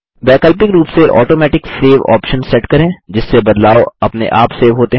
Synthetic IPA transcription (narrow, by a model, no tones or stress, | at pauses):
bɛːkəlp̬ɪkɾuːpseʔɔ̰ːʈoːmɛːʈɪkseːʋɔ̰ːpʃənsɛʈkɐɾẽːd͡ʒɪsːebɐd̪laːoɐpnḛʔa̰ːpseːʋɦoːt̪eɦ